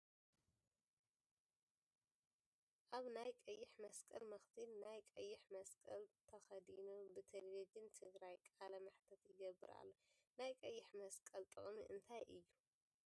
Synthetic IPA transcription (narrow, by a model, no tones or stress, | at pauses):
ʔaβnajkʼɐjːɪħmɐskʼɐlmɐxt̪ʰilnajkʼɐjːɪħmɐskʼɐlt̪ʰɐxɐd̪inubɨt̪ʰɐllɐd͡ʒɨnt̪ʰɨɡɾajkʼalɐmaħt̪ʰɐt̪jɪɡɐbɨɾa̰lːo | najkʼɐjːɪħmɐskʼɐlt̪ʼɨχʼmḭʔɨnt̪ʰajʔɨjːu